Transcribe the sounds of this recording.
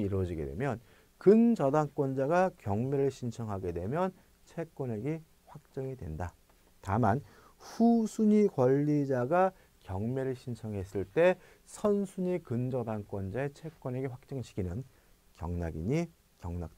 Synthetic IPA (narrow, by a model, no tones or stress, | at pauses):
iɾwʌd͡ʑiɡe̞̰dwe̞̰mjʌn | kɯnd͡ʑʌdaŋk͈wʌnd͡ʑaɡakjʌŋme̞ɾɯɭɕʰint͡ɕʰʌŋɦaɡe̞dwe̞mjʌn | t͡ɕʰe̞k͈wʌne̞ɡi | ɸwak̚t͡ɕ͈ʌŋidwe̞̰nda | taman | ɸusʰuɲikwʌʎːid͡ʑaɡa | kjʌŋme̞ɾɯɭɕʰint͡ɕʰʌŋɦe̞s͈ɯɭt͈e̞ | sʰʌnsʰuɲikɯnd͡ʑʌdaŋk͈wʌnd͡ʑaet͡ɕʰe̞k͈wʌne̞ɡeɸwak̚t͡ɕ͈ʌŋɕʰi̥kʰinɯn | kjʌŋnaɡḭɲi | kjʌŋnak̚t͈